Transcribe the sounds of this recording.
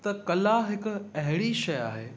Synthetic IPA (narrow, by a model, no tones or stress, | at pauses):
t̪ɐkɐlaɦɪkʊɐɦɪɽiʃɐja̰ːɦeː